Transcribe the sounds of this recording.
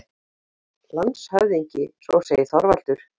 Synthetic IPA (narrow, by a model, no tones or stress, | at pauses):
lant̪shœɥðiɲcɪsvɔseːjɪθɔɾval̥t̪ʏɾ̥